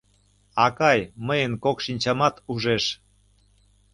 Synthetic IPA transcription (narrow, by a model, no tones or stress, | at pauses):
ɑkɑjməjənkokʃinʲt͡ɕɑmɑt̪uʒeʃ